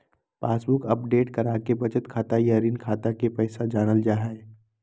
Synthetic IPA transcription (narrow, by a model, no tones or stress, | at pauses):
paːsbʊkəp̚ɖeːʈkɐɾaːkebɐt͡ʃət̪kʰaːt̪ajaːɾiːnkʰaːt̪akepɛːsad͡ʒaːnəld͡ʒaːɦae